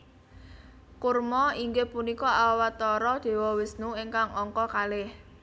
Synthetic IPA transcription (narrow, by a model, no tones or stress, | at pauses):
kurmɔiŋɡepunikɔawat̪ɔɾɔd̪̥e̤wɔwɪsnuiŋkaŋɔŋkɔkalɪh